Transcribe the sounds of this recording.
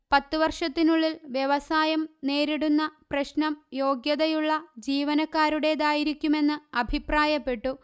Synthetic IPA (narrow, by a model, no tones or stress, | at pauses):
pɐt̪ːɨʋɐrʂɐt̪ːinuɭːilʋjeʋɐsaːjɐmne̞ːɾiɽunːɐprɐɕnɐmjo̞ːɡjɐðɐjuɭːɐd͡ʑiːʋɐnɐkːaːɾuɽe̞d̪aːjiɾikʲːume̞nːɨɐbʱipraːjɐpːe̞ʈːu